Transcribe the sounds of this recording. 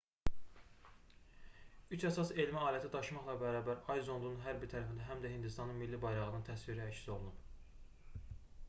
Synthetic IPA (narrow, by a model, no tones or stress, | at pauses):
yt͡ʃʰæsɑse̞lmiɑːlæt̪ʰid̪ɑʃmɑχlˠɑbæɾɑːbæɾɑjzo̞nd̪ununɦæɾbiɾt̪ʰæɾæfind̪æɦæmd̪æhind̪ist̪ɑnɯnmilːibɑjɾɑʁɯnɯnt̪ʰæsviɾiæcsso̞lˠnum